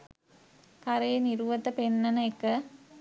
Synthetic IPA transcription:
kɐɾejeniɾuʋɐt̪əpenːɐnɐekːə

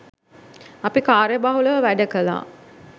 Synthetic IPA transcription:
apikaːɾjəbaɦuləʋəʋæɖəkəla̰ː

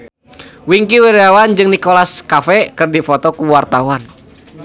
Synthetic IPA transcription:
wiŋkiwiɾeawand͡ʒɨŋnikolaskafɛkɨrdifɔt̪ɔkuwart̪awan

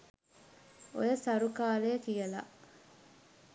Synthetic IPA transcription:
o̰jɐsɐɾukaːleːkijɐla̰ʔ

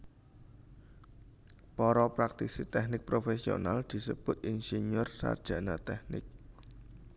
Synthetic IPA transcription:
pɔɾɔpɾak̚t̪isit̪ɛhnɪk̚pɾofesio̰nald̪̥i̤səb̥ʊ̤t̪̚ʔinsenʊrsa̰rd̥ʒ̥ä̤nat̪ɛhnɪ̰k̚

